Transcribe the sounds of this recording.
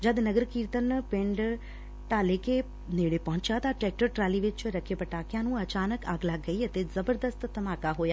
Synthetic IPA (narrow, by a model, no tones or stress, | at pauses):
d͡ʒəd̪nəɡəɾkiːɾt̪ənpɪ̃ɳɖ | ʈ̪ãːleːke | neːɽeːpɔ̃ɦʊ̃ɲt͡ʃaːt̪ãːʈɾɛːk̚ʈəɾʈɾaːliːʋɪt͡ʃɾəkʰeːpəʈaːkɪjãːnũːət͡ʃaːnəkaːɡlaːɡəiːət̪ezəbəɾd̪əst̪ːəmaːkaːɦoːjaː